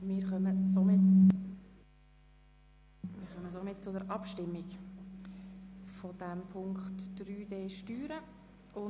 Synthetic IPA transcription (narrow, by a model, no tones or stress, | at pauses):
mɪːɾχœməsomɪt | mɪːɾχœməsomɪt̚t͡sʊdəɾʔɑpʃtɪmːik | fɔd̥æmpʰʊŋkχtd̥ɾyːd̥eːʃtyːɾə | ʊ